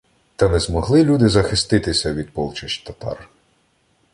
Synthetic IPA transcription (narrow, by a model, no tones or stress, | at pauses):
t̪ɐnɛzmɔɦlˠɪlʲud̪ɪzɐxɪst̪ɪt̪ɪsʲɐʋʲid̪̚pɔlˠt͡ʃɐʃʲt̪ɐt̪ɑ̰r